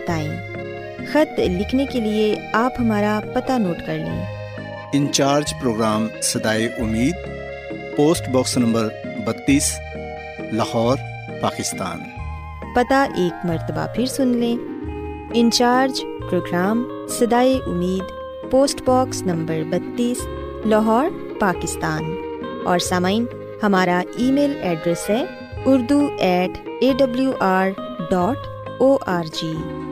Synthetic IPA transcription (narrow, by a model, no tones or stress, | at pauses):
bɐt̪aːẽː | xɐt̪lɪkʰnekelieaːpɦɐmaːɾapɐt̪anoːʈkɐɾlḛ̃ː | ɪ̃nt͡ʃaːɾd͡ʒpɾoːɡɾaːmsɐd̪aːeʔʊmiːd̪̚ | poːsʈbɔːksnɐ̃mbəɾ | bɐt̪ːiːs | lɐhɔːɾ | paːkɪst̪a̰ːn | pɐt̪aʔeːkmɐɾt̪əba̰pʰɪɾsʊnlẽː | ɪ̃nt͡ʃaːɾd͡ʒ | pɾoːɡɾaːm | sɐd̪aːeʔʊmiːd̪ | poːsʈbɔːksnɐ̃mbəɾbɐt̪ːiːs | lɐɦɔːɾ | paːkɪst̪aːn | ɔːɾsaːmaːɪn | hɐmaːɾaiːmeːlɛːɖɾəsɦɛː | ʊɾd̪uɛːʈeːɖɐbljuʔaːɾɖɔːʈ | oːʔaːɾd͡ʒiː